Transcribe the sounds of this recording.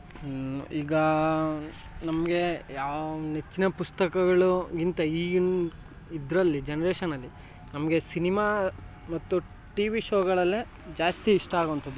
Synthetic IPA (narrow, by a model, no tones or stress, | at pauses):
ḭːɡɐ | nɐmɐɡe̞jaːet͡ʃːinɐpust̪ɐkɐɡɐɭuɡint̪ɐiːɡ | id̪ɾɐlːid͡ʒenɐɾeːʃɐnɐlːi | nɐmɐɡe̞sinimaː | mɐt̪ːu | ʈiʋiʃoːɡɐɭɐlːe | d͡ʒaːst̪iːʂʈaːɡoʋɐnt̪ɐd̪ːu